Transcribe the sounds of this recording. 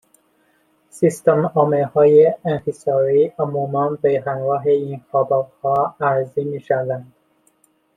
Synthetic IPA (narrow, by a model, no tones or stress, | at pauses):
sist̪emɒːmelhɒːjeenhisɒːɾiːomuːmæːnbeɦænɡɒːɦeiːnxɒːbɒːbhɒːæɾziːmiːʃævænd̪̥